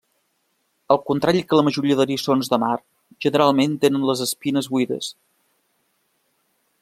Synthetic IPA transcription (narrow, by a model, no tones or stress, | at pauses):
əlˠkunt̪ɾaʎikələməʒuɾiəðəɾiəsonzðəmar | ʒ̥ənəɾalˠment̪enənləzəspinəzβuiðə̰s